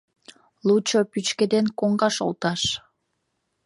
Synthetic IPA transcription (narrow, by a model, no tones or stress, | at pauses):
lut͡ɕopyt͡ɕked̪enkoŋɡɑʃo̰lˠt̪ɑʃ